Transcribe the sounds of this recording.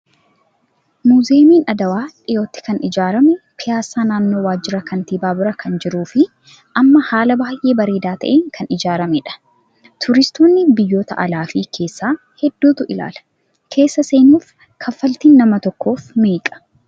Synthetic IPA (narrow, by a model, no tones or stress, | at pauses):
muzeːmiːnɐd̪ɐwaːᶑɪjo̞ːt̪ːɪ̥kɐnɪd͡ʒaːɾɐmɛpɪjaːsaːnaːnːo̞ːwaːd͡ʒːɪɾɐkɐnt̪iːbaːbɪɾɐkɐnd͡ʒɪɾuːfɪ | ʔɐmːɐhaːlɐbaːjʔe̞ːbɐɾeːd̪aːt̪ɐ̰ʔeːŋkɐnɪd͡ʒaːɾɐmɛᶑɐ̥ | t̪ʰʊɾɪst̪oːnːɪbɪjːo̞ːt̪ɐ̰ʔɐ̰laːfiːkʰe̞ːsːaː | hɛd̪̥ːuːt̪ʊʔɪla̰ːlɐ̥ | kʰe̞ːsːɐse̞ːnuːf | kʰɐfːɐlt̪iːnːɐmɐt̪ɔkːo̞ːfmeːkʼɐ̥